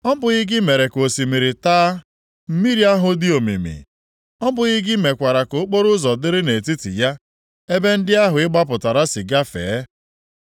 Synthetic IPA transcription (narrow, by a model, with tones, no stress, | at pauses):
ɔ˦bʊ˨ɣi˦ɡɪ˦me˨ɾe˨ko˨si˨mi˨ɾɪ˨taː˦ | m̩˦mi˦ɾi˦a˦ɦʊ˨dɪ˦o˨mḭ˨mḭ˨ | ɔ˦bʊ˨ɣi˦ɡɪ˦me˨kʷa˨ɾa˨ko˨˦k͡po˦ɾʊ˦zɔ˨dɪ˦ɾɪ˦ne˨ti˦tḭ˨ja˦ | e˦be˦n̩˦dɪ˦a˦ɦʊ˨ɪ˦ɡ͡ba˦p̬ʊ˨ta˨ɾa˦sɪ˨ɡa˦fḛː˨˦